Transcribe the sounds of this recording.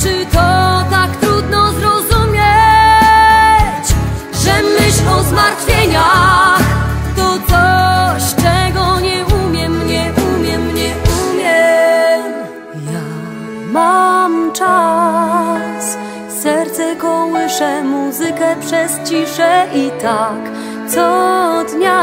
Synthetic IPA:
t͡ʂɨt̪ɔt̪akt̪ɾud̪nɔzɾɔzumʲje | t͡ɕ | ʐɛmɘɕlɔzmaɾt̪fʲjɛɲa | t̪ɔt̪ɔɕt͡ʂɛɡɔɲɛumʲjɛmɲɛʔumʲjɛmɲɛʔumʲjɛ | ja | mamt͡ʂa | s | sɛɾt̪sɛkɔwɨɘʂɛmuzɨkɛpʂɛst͡ɕiʂɛʔit̪ak | t̪sɔd̪ɲa

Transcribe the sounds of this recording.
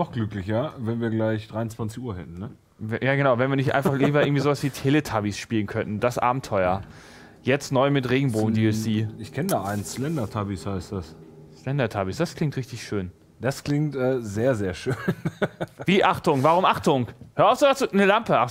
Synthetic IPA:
nɔχɡ̥lʏklɪçɐvɛnviːɐɡlaɪçd̥ʁaɪʊnt͡sv̥ant͡sɪçuːɐɦɛ̰tn̩nə | vɛjaːɡənaʊvɛnviɐnɪçtʔa̰ɪnfaχlɪiːbɐʔɪɐŋ̩tvizoːvasv̥iːtʰeːlətʰabisʃpiːlən̩kʰœnʔn̩dasʔa̰ːbm̩tʰɔʏɐ | jɛt͡stnɔʏmɪtʁeːɡŋ̩boːm̩diːɛsiːɪçkʰɛnədaːʔaɪnslɛndɐtʰabishaɪstd̥asslɛndɐtʰabisd̥askʰl̥ɪŋktʁɪçtɪçʃøːn | d̥askl̥ɪŋtʔɛːzeːɐzeːɐʃøːnviːʔaχtʊŋvaʁʊmʔaχtʊŋhøːɐaʊfz̥oːvasnəlampəʔaχ

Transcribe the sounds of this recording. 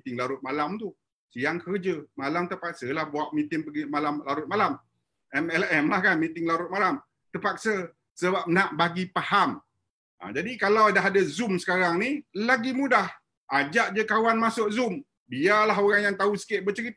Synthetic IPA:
t̪ɪŋlaɾʊt̪̚malamt̪u | sijaŋkərd͡ʒəmalamt̪əpak̚səlahbuaʔ̚mit̪ɪŋbəɡimalamlaɾʊt̪̚malam | ʔɛmɛlɛmlahkanmit̪ɪŋlaɾʊt̪̚malam | t̪ərpak̚sə | səbap̚naʔbaɡipaham | ʔə̰d͡ʒadikalawdaɦadazʊmsə̥kaɾaŋnilaɡimudah | ʔad͡ʒaʔd͡ʒəkawanmasʊʔzʊm | bialaɦoɾaŋjaŋt̪ausə̥kɪʔ̪̚bət͡ʃəɾit̪

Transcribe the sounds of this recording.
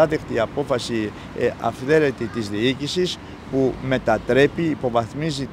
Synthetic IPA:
ɐðekt̪iɐpo̞fɐsi | ɐ̰fθe̞ɾe̞t̪it̪izðiicisis | pume̞t̪ɐt̪ɾe̞piːpo̞vɐθmizit̪

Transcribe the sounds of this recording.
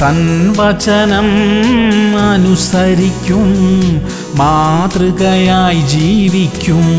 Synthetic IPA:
t̪ɐnʋɐt͡ʃɐnɐm | ɐnusɐɾikʲːum | maːt̪ɾɨkɐjaːjd͡ʒiːʋikʲːum

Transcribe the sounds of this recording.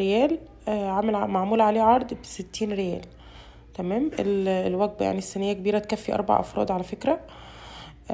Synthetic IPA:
ejæːl | ʕamælmaʕmuːlʕaleːʕɑɾˤd̪ˤbset̪ːiːnɾejæːl | t̪æmæːmʔellwæɡ̚bja̰ʕnisːænejːækebiːɾæt̪kæfːiʔɑ̰ɾˤbɑ̰ʕʔɑ̰fɾˤɑ̰ːd̪ˤʕalæfekɾæ

